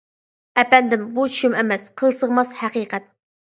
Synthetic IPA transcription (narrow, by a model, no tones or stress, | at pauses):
ɛpɛnd̪ɪmbut͡ʃʰu̥ʃumɛmɛsqʰəlˠsəʁmɑshæqiqʰɛt̪̚